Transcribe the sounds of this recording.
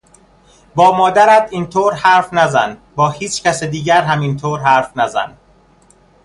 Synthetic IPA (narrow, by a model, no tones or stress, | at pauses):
bɒːmɒːd̪æɾæt̪iːnt̪ʰoːɾhæːɾfnæzænbɒːhiːt͡ʃʰcæsed̪iːɟæɾɦæmint̪ʰoːɾɦæːɾfnæzæ̰n